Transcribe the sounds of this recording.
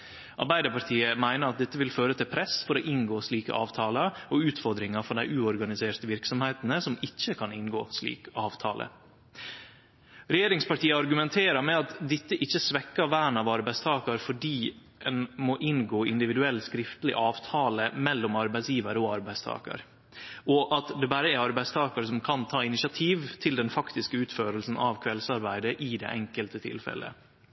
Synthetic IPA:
ʔɑ̰ɾbæɪd̪əpɑt̪ʰiːəmæɪnəɾɑt̪̚d̪ɛt̪ːəʋɪlføːɾət̪ʰɪlpʰɾɛsfɔɾo̰ːʔɪnɡoːsliːkə̰ʔɑ̰ːʋt̪ʰɑːləɔʉːt̪fɔɾd̪ɾɪŋɑfɔɖæɪʔʉːɔɾɡɑnɪseːʈ̪əʋɪɾksɔmheːt̪n̩əsɔmɪçːəkʰɑnɪnɡo̰ːslḭːkɑːʋt̪ʰɑ̰ːlʔə̰ | ɾɛjeːɾɪŋspɑʈʰiːəɑɾɡʉmɛnt̪ʰeːɾəmɛɑt̪d̪ɪt̪ːəʔɪçːəsʋɛkːəʋæːɳɑʋɑɾbæɪst̪ʰɑːkəɾfɔɖiː | ɛnmoʔɪnɡoːɪnd̪ɪʋɪd̪ʉɛlːskɾɪft̪lɪ̰ʔɑːʋt̪ʰɑːləmɛlːɔmɑɾbæɪsjiːʋəɾɔɑɾbæɪst̪ʰɑ̰ːkə̰ɾ | ʔɔʔɑt̪d̪ɛbɑɾəæɾɑɾbæɪst̪ʰɑːkəɾs̬ɔmkʰɑnt̪ʰɑːɪnɪʃɑt̪ʰiːʋt̪ʰɪld̪ɛnfɑkt̪ɪskəʉːt̪føːɾəlsn̩ʔɑʋkʰʋɛlsɑɾbæɪd̪əʔɪd̪ɛ̰ːʔɛŋkəlt̪ət̪ʰɪ̰lfɛ̰lə̰

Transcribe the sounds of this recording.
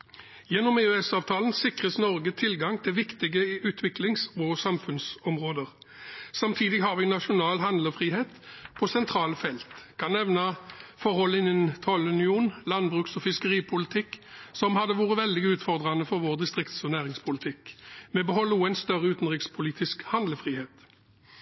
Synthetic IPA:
jɛnːɔmeøɛsɑːʋt̪ʰɑːlənsɪkʁəsnɔʁɡət̪ʰɪlɡɑŋt̪ʰɪlʋɪkt̪ɪɡəʔʉːt̪ʰʋɪklɪŋsɔsɑmfʉnsɔmʁoːd̪əʁ | sɑmt̪ʰiːd̪ɪɡɦɑːʁʋɪnɑʂʊnɑːlɦɑnd̪ləʁfʁiːheːt̪pʰɔsɛnt̪ʰʁɑːləfɛlt̪kʰɑnːɛʋnɑfɔʁhɔlːɪnɪnt̪ʰɔlʉnɪuːnlɑnbʁʉksɔfɪskəʁiːpʰʊlɪt̪ʰɪkːsɔmhɑd̪əʋuːʁəʋɛld̪ɪɡʉːt̪fɔʁd̪ʁɑnəfɔʁʋoːʁd̪ɪst̪ʁɪkt̪sɔnæːʁɪŋspʰʊlɪt̪ʰɪkmɛbəɦɔlːəuːənst̪œʁəʉːt̪n̩ʁɪkspʰʊliːt̪ɪskhɑnd̪ləfʁiːheːt̪

